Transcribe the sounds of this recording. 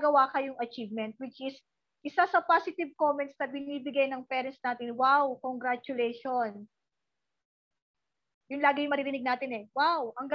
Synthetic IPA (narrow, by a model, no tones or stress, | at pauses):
ɡɐwaːkɐjʊŋɐt͡ʃiːvmɛnt̪̚wɪt͡ʃʔɪs | ʔɪsasɐpasɪt̪ɪbkomɛnt̪snɐbɪniːbɪɡajnɐŋpɛːɾɛnt̪snaːt̪ɪnwawkoŋɡɾat͡ʃʊlɛjʃon | jʊnlaːɡɪjʊŋmɐɾiɾɪnɪɡ̚naːt̪ɪnɛwawʔɐŋɡɐ